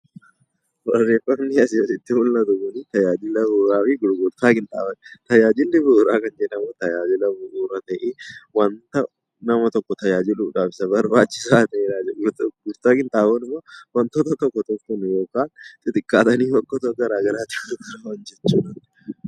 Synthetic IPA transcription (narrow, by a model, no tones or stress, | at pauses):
wɐrːeːfɐknɪjɐsad͡ʒɪt̪ːɪmʊlːɐt̪ʊkʊnit̪ɐjaːd͡ʒɪlɐbuɾaːfiɡʊɾɡʊɾt̪aːkɪnt̪ʼa̰ːbɐnt̪ɐjaːd͡ʒɪlːɪbʊːɾaːkɐnd͡ʒenɐmot̪ɐjaːd͡ʒɪlɐbʊʔuːɾɐt̪ɐʔeːwɐnt̪ɐ | nɐmɐt̪ɔkːɔt̪ɐjaːd͡ʒɪluːᶑaːfɪ̥sɐbɐɾbaːt͡ʃːɪ̥saːt̪ɐeːɾaːd͡ʒɛɡɡʊɾt̪aːkɪnt̪ʼaːbɐnɪmːowɐnt̪ot̪ɐt̪ɔkːɔt̪ɔkːɔnjoːkaːnt̪ʼɪt̪ʼɪkʼːaːt̪ɐniːfɔkːɔt̪ɔɡɐɾaːɡɐɾaːt͡ʃɪʊkɐɾawɐnd͡ʒɛt͡ʃːunɐn